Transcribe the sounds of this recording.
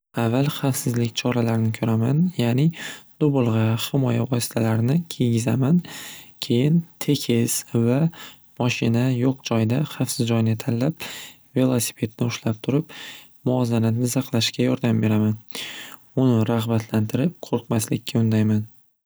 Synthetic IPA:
avːalˠχɑfsɪzlɪkʲt͡ʃʰɒɾalaɾɪnɪkʲʰɵɾamanjaːnɪd̪̥obʊlˠʁɑhɪmɒja̰vɒsɪ̥t̪ʰalaɾnɪkʲʰe̞ɡʲɪzamankʲʰe̞jɪnt̪ʰe̞kʲʰɪz̥va | mɒʃɪnajoqd͡ʒɒjd̪aχɑfsɪzd͡ʒɒjnɪt̪ʰalːap̚ | ve̞lˠosi̥pʰe̞t̪nɪʊʃlap̚t̪ʰʊɾɪp | mʊɒzanat̪nɪsɑqlˠaʃkʲajɒɾd̪ambe̞ɾaman | ʊnɪɾaʁbat̪ʰlant̪ʰɪɾɪp̚qʰoɾqmaslɪkʲːaʊnd̪ajman

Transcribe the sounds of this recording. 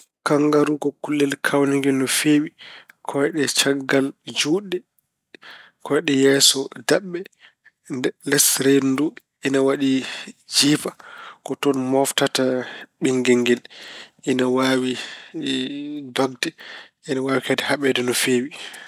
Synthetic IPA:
kaŋɡaɾukɔkulːɛlkʰawnɛŋɡɛlnɔfeːwikʰɔɛɗɛt͡ʃaɡːald͡ʒuːɗːɛ | kɔjɛɗɛjɛːsɔdaɓːɛ | ɛlɛsɾedndu | ɛnawaɗid͡ʒiːfakɔtɔnmɔftataɓiŋɡɛŋɡɛlʔinawaːwi | dɔɡdɛʔinawaːwikɛdɛhaɓɛdɛnɔfeːwi

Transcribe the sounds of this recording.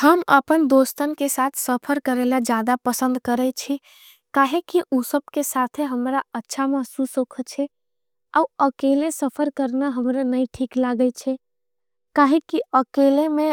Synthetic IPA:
həməpənd̪ost̪ənkesat̪ʰsəpʰəɾkəɾelad͡ʒjad̪apəsə̃nd̪kəɾɛt͡ʃʰi | kaɦekiʔusəb̚kesat̪ʰeɦəmɾaətːʃʰaməsusokʰət͡ʃʰɛ | auəkelesəpʰəɾkəɾnaɦəmɾanəjʈʰiklaɡət͡ʃʰɛ | kaɦekiəkelemẽ

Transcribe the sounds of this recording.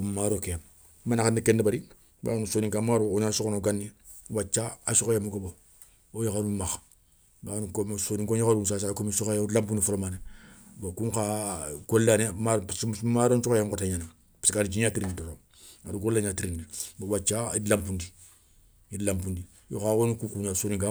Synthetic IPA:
mmaɾokejam | manakanikendebaɾi | ba̰nusoːniŋkamaɾuoɲasokonoɡanːi | wat͡ʃːaasukajamuɡobo | ojokaɾumaxa | banukosoniŋkoɲokaɾunsasakomisukajdlamp̬undifolomanebakuŋkaɡolːanemaɾmaɾont͡ʃukajaŋkotaɲana | ḁskanid͡ʒiɲatiɾinitoto | aɾuɡolːaɲaːtiɾinːibawat͡ʃːaḭdlampundi | idlampundi | jo̰kawonukukuɲasoːniŋka

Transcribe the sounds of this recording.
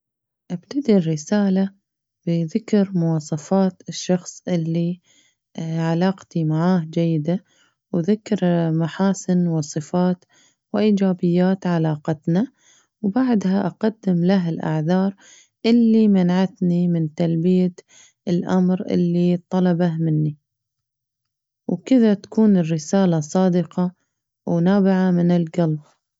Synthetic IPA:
ʔab̥t̪ad̪irːɪsaːla | b̥ɪðɪkɾmʊwɑːsˤɑfɑːt̪ɪʃːɑxsˤʔɪlːi | ʕalaːqt̪imaʕaːhd͡ʒajːɪd̪a | wðɪkːɾmaħaːsɪnwɨsˤɨfaːt̪ | wɪʔiːd͡ʒaːbɪjːaːt̪ʕalaːqɑt̪na | wbaʕd̪haʔaqad̪ːɪmlaɦɪlʔa̰ʕðɑːɾˤ | ʔɪlːimanaʕat̪nimɪnt̪albɪja | ɪlʔa̰mɾʔɪ̰lːit̪ˤːɑlɑbahmɪnːi | wkɪðat̪ḁkuːnɪrːɪsaːlasˤɑːd̪ɪqɑ | wnaːbɪʕamɪnɪlɡal

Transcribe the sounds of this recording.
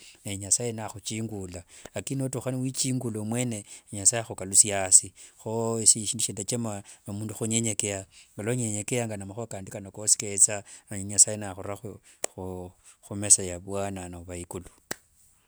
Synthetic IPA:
eɲasajenaxut͡ʃiːŋɡulaːkinotuxaniwit͡ʃiːŋɡulomwe̞neeɲasajexokalusijasixoisiʃiːndiʃendat͡ʃemaamuːnduxuɲeɲekeaŋɡaloɲeɲekejaŋɡanamaxuakaːndikanokosi̥ket͡saaɲɲasajenaxuɾaxuxuxumesajaβwananaβaikulu

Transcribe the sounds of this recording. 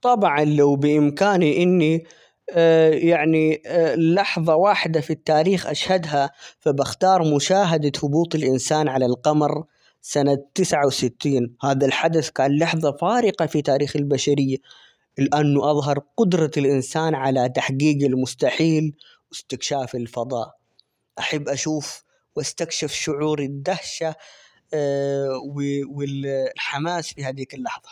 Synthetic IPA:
t̪ˤɑbʕɑnlawbɪʔɪmkaːniʔɪnːi | jaʕnilːɑħðˤɑwaːħɪd̪afit̪ːaːɾiːxʔa̰ʃhad̪ɦafabɪxt̪ɑːɾˤmʊʃaːɦad̪aθʊbuːt̪ˤɪlʔɪnsaːnʕalalqɑmɾ | sanatt̪ːɪsʕawsɪt̪ːiːnhaːðalħad̪aθkaːnlɑħðˤɑfaːɾɪqɑfit̪aːɾiːxɪlbaʃaɾɪjːa | lɪʔanːʊʔɑðˤɦɑɾˤqʊd̪ɾˤɑlʔɪnsaːnʕalat̪aħɡiːɡɪlmʊst̪aħiːl | wɪst̪ɪkʃaːfɪlfɑd̪ˤɑ̰ːʔ | ʔaħabːʔaʃuːf | wʔast̪akʃɪfʃʊʕuːɾɪd̪ːahʃa | wɪwɪlħamaːsfihaːd̪iːkɪlːɑħðˤɑ̥

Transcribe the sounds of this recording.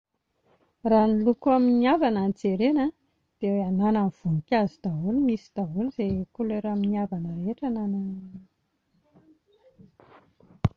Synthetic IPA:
ranilukuaminiavananit͡seɾenə | d̪̥eweananamv̥unikʲazud̪̥aɦulimisid̪̥aɦulz̥ekuleɾaminiavanəɾeʈ͡ʂanananana

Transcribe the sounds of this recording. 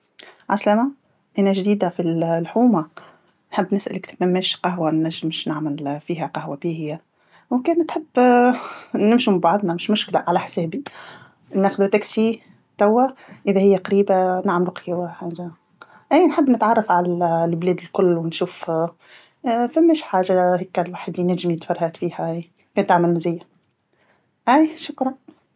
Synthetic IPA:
ʕaslama | ʔænæʒd̪iːd̪afilħuːma | nħəbːnɪsʔæ̰lɪkt̪æmːæːʃqɑɦwanːæʒːɪmʃnaʕmɪlfiːɦæqɑhwabiːhɪjːa | wkɛːnt̪ħəbː | nɪmʃɪmbɑʕðˤnamɪʃmʊʃklaʕalæħsɛːbi | nːæːxʊd̪ut̪æksi | t̪æwːæʔɪðæhɪjːæqɑɾiːbanaʕmlʊqkiwħaːʒa | ʔæːnħəbːnɪt̪ʕɑrˤːɑfʕalælblɛːd̪ɪlkʊlːwɪnʃuːf | fæmːæʃħaːʒahikːælwaːħəd̪inæʒɪmjət̪fɑɾˤhæːt̪fiːhæj | kɛnt̪ːaʕməlmɪzɪjːa | ʔæjʃʊkɾˤɑ

